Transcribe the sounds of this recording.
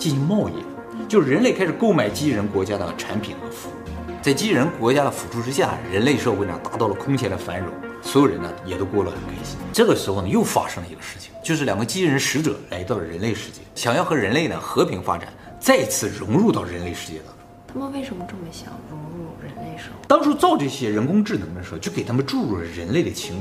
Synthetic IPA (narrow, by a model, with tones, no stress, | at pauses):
t͡ɕi˥˩nɕi˧˥ŋmwɔ˥˧ḭ˥˩ | t͡ɕjo˥˧ʊʂɻ̩˥˩ɻə˧˥nle˥˩kʰa˥ɪʂɻ̩˨˩ko˥˩ʊma˨˩ɪt͡ɕi˥ɻə˧˥nkwɔ˧˥t͡ɕja˥d̪ə̰˨˩ʈ͡ʂʰa˧˥npʰḭ˨˩nxə˥fu˧˥t͡sa˥˩ɪt͡ɕi˥ɻə˧˥nkwɔ˧˥t͡ɕja˥d̪ə˨fu˨˩ʈ͡ʂʰu˥˧ʈ͡ʂɻ̩˥ɕja̰˥˩ɻə˧˥nle˥˧ɪʂɤ˥˧xwe˥ɪʂɑ̰˥˩t̪a˧˥t̪ɑ˥˩ʊlə˩kʰʊ˥ŋt͡ɕʰjɛ˧˥d̪ə˨fa˧˥nɻo̰˧˥˦swɔ˧˥jo˨˩ʊɻə˧˥nə˧jɛ˨˩t̪o˥ʊkwɔ˥˩lə˩xə˨˩nkʰa˥˩ɕi˥˩ʈ͡ʂɤ˥˩ɡə˩ʂɻ̩˧˥xo˥˩ʊnə˩jo˥˩ʊfa̰˥ʂɤ˥ŋlə˧i˧˥ɡə˧ʂɻ̩˥˩t͡ɕʰi̥˨˩ŋt͡ɕjo˥˧ʊʂɻ̩˥˩ljɑ˨˩ŋɡə˧˦t͡ɕi˥ɻə˧˥nʂɻ̩˧˥ʈ͡ʂɤ̰˨˩˦la̰˧˥ɪt̪ɑ˥˩ʊlə˩ɻə˧˥nle˥˧ɪʂɻ̩˥˧t͡ɕjɛ̰˥˩ɕjɑ˨˩ŋjɑ˥˩ʊxɤ˧˥ɻə˧˥nle˥˩ɪd̪ə̰˩xɤ˧˥pʰi˧˥ŋfa̰˥ʈ͡ʂa̰˨˩˦n | t͡sa˥˩ɪ˧˥t͡sʰɹ̩˥˩ɻʊ˧˥ŋɻu˥˧t̪ɑ˥˩ʊɻə˧˥nle˥˧ɪʂɻ̩˥˧t͡ɕjɛ̰˥˩t̪ɑ̰˥ŋʈ͡ʂʊ˥t̪ʰa˥mə˨nwe˥˩ɪʂə˧˥nmə˧ʈ͡ʂɤ˥˩mə˧˥ɕjɑ̰˨˩ŋɻʊ˧˥ŋɻu˥˩ɻə˧˥nle˥˧ɪʂt̪ɑ˥ŋʈ͡ʂʰu˥t͡sɑ˥˧ʊʈ͡ʂɤ˥˩ɕjɛ˥ɻə˧˥nkʊ˥ŋʈ͡ʂɻ̩˥˩nɤ˧˥ŋd̪ə˧ʂt͡ɕjo˥˩ʊke˨˩ɪa˥mə˧nʈ͡ʂu˥˧ɻu˥˩lə˩ɻə˧˥nle˥˩d̪ə˩t͡ɕʰi˧˥ŋw